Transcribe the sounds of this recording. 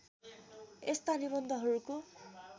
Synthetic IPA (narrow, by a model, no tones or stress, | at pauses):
est̪anibʌnd̪ʱʌɦʌɾuko